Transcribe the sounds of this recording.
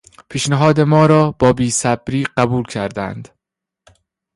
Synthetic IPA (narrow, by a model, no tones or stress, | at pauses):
pʰiːʃneɦɒːd̪e̞mɒːɾɒːbɒːbiːsæbɾiːɢæbuːlcʰæɾd̪æ̰nd̪̥